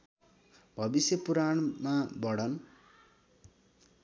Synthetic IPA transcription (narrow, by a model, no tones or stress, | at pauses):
bʱʌbisjʌpuɾaɳmabʌɽʌn